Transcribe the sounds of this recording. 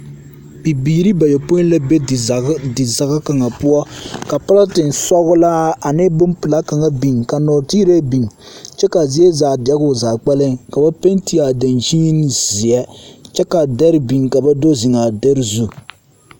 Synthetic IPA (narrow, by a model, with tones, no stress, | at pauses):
pi˨biː˨ɾi˦ba˨jo˨po˦la˦be˦˨dɪ˨za˨ɣa˦ka˨ŋa˨pu˦ɔ˦ka˨pa˦la˦tɨ˨n̩˨sɔ˦ɣʊ˦la˦a˨nɪ˦bʊ˦mpɨ˨la˦ka˨ŋa˨bi˨ŋka˨nɔː˨ti˦ɾe˦bi˨ŋ˨ | t͡ʃɛ˦ka˨zi˦ɛ˦za˨dɛ˦ɡʊ˨zaː˨k͡pɛ˦lɨ˦ŋka˨ba˦pe˦n˦ti˦a˨da˨nʒi˦n˨zi˨ɛ˦t͡ʃɛ˦ka˨dɛ˦ɾɪ˦bi˨ŋka˨ba˦do˦zi˨ŋa˨de˦ɾɨ˦zu˦